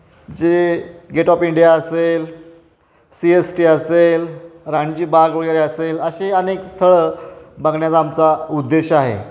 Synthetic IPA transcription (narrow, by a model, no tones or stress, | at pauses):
d͡ʑeɡeʈɔpiɳɖijaəsel | siesʈiːəselɾaɳ̃d͡ʑiːbaɡʋəɡəjɾeəseləɕeənekst̪ʰəɭəbəɡʱɳjad͡zamt͡saud̪ːeɕaɦḛ